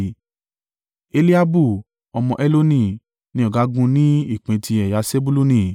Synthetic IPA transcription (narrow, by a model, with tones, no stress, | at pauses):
e˧li˦a˦bu˦˨ | ɔ˧mɔ̃˧ʔɛ˦lo˦nĩ˦˨ | nĩ˦ɔ˦˨ɡa˨˦ɡũ˧nĩ˦i˦˨k͡pẽ˨˧tʰi˧ɛ˨ja˨˦se˦bu˦lu˦nĩ˧˨